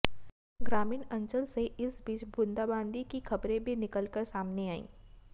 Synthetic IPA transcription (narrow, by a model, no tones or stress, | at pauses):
ɡɾaːmiːnɐ̃ɲt͡ʃəlseʔɪsbiːt͡ʃbʊ̃nd̪aːbãːnd̪ikixɐbɾẽbʱinɪkəlkəɾsaːmneaːḭ̃ː